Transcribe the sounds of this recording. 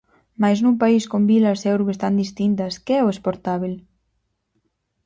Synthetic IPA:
majsnumpaiskombilasθɛwɾβest̪and̪ist̪int̪̬ɐskeɛoespoɾt̪aβil

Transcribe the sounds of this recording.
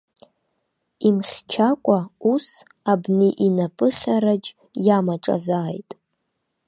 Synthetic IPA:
imχʲt͡ʃʰakʷʼaus | abniʔinapʼɨχʲaɾad͡ʒ | jamaʈ͡ʂʼa̰zaːjtʼ

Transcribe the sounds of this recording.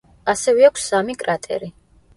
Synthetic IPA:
asɛvɛakʷʰsamikʼɾat̪ʼɛ̰ɾi

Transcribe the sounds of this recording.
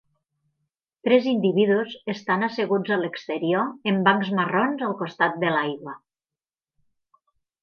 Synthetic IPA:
t̪ɾɛzind̪iβiðuzest̪anaseɣud͡zalekst̪eɾioembaŋkzmaronzalˠkost̪at̪̚d̪əlajɣwa

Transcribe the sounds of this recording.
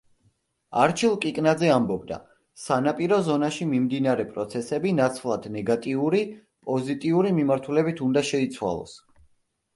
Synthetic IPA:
aɾt͡ʃʰilˠkʼikʼnad̪zɛambɔb̚d̪a̰ | sanapʼiɾɔzɔnaʃimimd̪inaɾɛpʼɾɔt̪sʰɛsɛbinat̪sʰlˠad̪̥nɛɡat̪ʼiuɾi | pʼɔzit̪ʼiuɾimimaɾt̪ʰulɛbit̪ʰund̪aʃɛit̪sʰwa̰lˠɔ̰s

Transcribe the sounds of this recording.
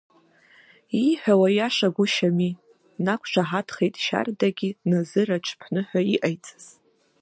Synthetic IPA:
iħʷᶣawajaʂaɡʷʊʃami | nakʷʰʒʷʰaħatʰχejtʼʃa̰rdaɡʲinazɨrat͡ʃʷʰpʰnɨħʷᶣaiʔajt͡sʼaz̥

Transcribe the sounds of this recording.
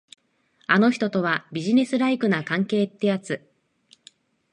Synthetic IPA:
ano̞çi̥t̪o̞t̪o̞βabʲiʑine̞sɨɾaikɯ̟nakãŋke̞ːt̪ːe̞jat͡sɨ

